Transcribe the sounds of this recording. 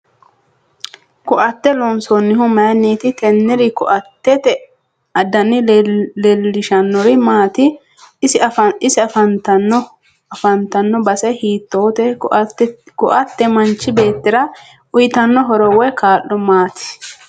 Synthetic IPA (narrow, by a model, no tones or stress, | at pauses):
kʊʔɐt̪ːɛlɔnsɔnːɪɦʊmɐːnːiːt̪ɪt̪ɛnːɪɾɪkʊʔɐt̪ːɛt̪ɛ | ɐd̪ɐnːɪlɛlːɪʃɐnːɔɾɪmaːt̪ɪ | sɐɪsɪɐfɐnt̪ɐnːɔ | ɐfɐnt̪ɐnːɔbɐsɛhiːt̪ːoːt̪ɛ | kʊʔɐt̪ːɛmɐnt͡ʃːɪbe̞ːt̪ːɪɾɐ | ʊjɪt̪ɐnːɔɦɔɾɔwɛkʰaːlːɔmaːt̪ɪ̥